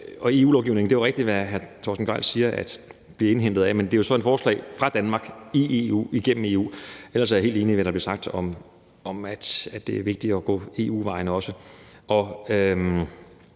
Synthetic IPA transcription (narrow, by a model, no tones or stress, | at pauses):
ɒ̽e̝ːṵːlɒʊɡiʊne̝ŋnd̥e̝eʁɛɡ̥d̥iʋæɦæɐt͡sʰɒ̰sn̩ɡ̥ʁɑ̰lsiːɐʔæd̥ | b̥liɐe̝nɦend̥ð̩ˠæmend̥e̝jo̝sɒ̽e̝d̥fɒːslɛ̰ɪfʁɑ̈d̥ænmɑ̈ɡ̥iʔe̝ṵːiɡ̥en̰m̩e̝̰ːṵːel̰ɐsæjhe̝̰lde̝ːniʋædɾɑb̥liɐsɑ̈ɡ̥̚d̥ɒ̽m | ʔɒmæd̥æd̥e̝æɐʋe̝ɡ̥d̥iɒɡ̥ɔ̰̽ːe̝ːṵːʋɑ̈ɪnəɒ̽səʔɒ̽ø